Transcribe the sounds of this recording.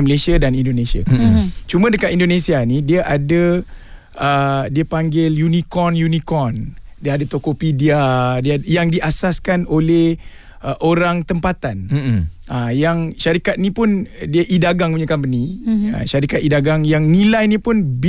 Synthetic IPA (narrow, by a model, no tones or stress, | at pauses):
məlesiadanindonesia̰t͡ʃumə̃dəkat̪̚indonesianidiaʔadə | ədiəpaŋɡɪljunikɔrnjunikɔndiəadat̪okopidiadijaŋdiʔasaskanoleh | əʔoɾaŋt̪əmpat̪an | ajaŋʃaɾikat̪̚nĩpʊndiəʔidaɡaŋpuɲãkampənia̰ʃaɾikat̪idaɡaŋjaŋnilajnipʊnb